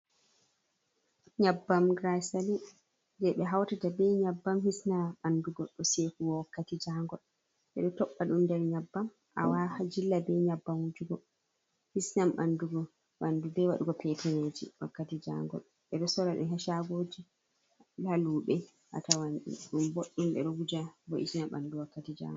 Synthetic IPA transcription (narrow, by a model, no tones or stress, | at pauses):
ɲabːamɡɾasali | d͡ʒɛɓɛɦawtatabɛɲabːamhisnaɓanduɡɔɗɔsekuwwɔkːatid͡ʒaŋɡɔl | ɓɛɗɛtɔɓːaɗumdɛɾɲabːam | ʔa̰wad͡ʒilːabɛɲabːamwud͡ʒuɡɔ | hisnamɓa̰nduɡɔ | ɓandubɛwaɗuɡɔpʰɛtʰɛned͡ʒḭwakːatid͡ʒa̰ŋɡɔ̰l | ɓɛɗɔsɔɾaɗṵɦɛʃaɡoːd͡ʒi | laluɓɛ | ʔa̰tawanɗḭɗumboɗːumɓɛ̰ɗɔɡud͡ʒabɔʔisnaɓa̰nduwɔkːatid͡ʒa̰ŋɡɔ